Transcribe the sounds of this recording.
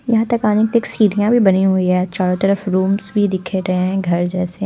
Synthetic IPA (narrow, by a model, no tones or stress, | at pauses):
jɐɦãt̪ɐkaːnekeleːksiːɽijãbʱibɐniɦuiɦɛt͡ʃaːɽõt̪ɐɾəfɾuːmzbʱid̪ɪkʰeɾɐɦẽɦɛ̃ɡʱɐɾd͡ʒɛːse